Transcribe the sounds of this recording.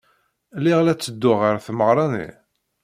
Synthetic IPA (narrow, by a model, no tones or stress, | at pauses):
lːiʁlæt͡sːəd̪ːʊʁəɾθməʁɾˤɑnḭ